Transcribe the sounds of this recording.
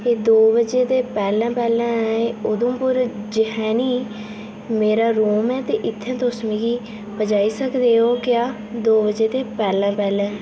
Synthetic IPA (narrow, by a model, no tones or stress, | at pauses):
eːd̪oːʋəd͡ʒeːt̪eːpɛːlãːpɛːlɛ̃ːeʊd̪õːpʊɾd͡ʒəɦɛːniː | meːɾaːɾoːmɛːt̪eːʔɪt̪ʰːɛ̃ːt̪ʊsmiːɡiː | pəd͡ʒaːiːsəkd̪eːoːkjaː | d̪oːbəd͡ʒeːt̪eːpɛːlãːpɛːlɛ̃ː